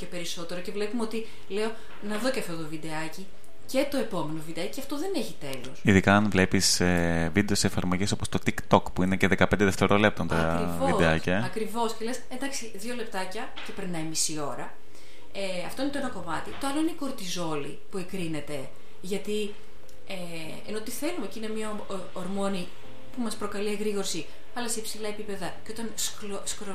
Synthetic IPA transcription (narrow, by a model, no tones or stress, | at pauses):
ce̞pe̞ɾiso̞t̪e̞ɾoce̞vle̞pumeo̞t̪i | le̞o̞ | nɐðo̞ceɐft̪ot̪ovid̪e̞ɐci | ce̞t̪o̞e̞po̞me̞no̞vid̪eɐciciɐft̪oðe̞neçit̪e̞lo̞siðikɐːnvle̞pisevid̪e̞oseːfɐɾmo̞ʝiso̞post̪o̞t̪ikt̪okpuineceðekɐpend̪eðeft̪e̞ɾole̞p̚t̪ont̪ɐɾivovid̪eɐcɐɐkɾivo̞sce̞le̞send̪ɐksiðjʝo̞le̞p̚t̪ɐcɐ | ce̞pɾinːɐimisio̞ɾɐ | eɐft̪o̞inet̪oenɐko̞mɐt̪it̪o̞ɐlo̞ineiko̞ɾt̪izo̞lḭ | pue̞kɾine̞t̪e̞ | ʝɐt̪i | e | eno̞t̪iθe̞lumecinemɲɐ | oɾmo̞ni | pumɐspɾo̞kɐlieɣɾiɣo̞ɾsi | ɐlɐsepsilɐe̞pipe̞ðɐceo̞t̪ɐns | skɾo